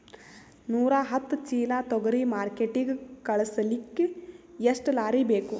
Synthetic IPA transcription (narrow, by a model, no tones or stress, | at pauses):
nuːɾaːɦɐt̪ːt͡ʃiːlaːt̪ɔɡɐɾimaːɾkeʈiɡkɐɭɐsɐlikːeeʂʈlaːɾibeːku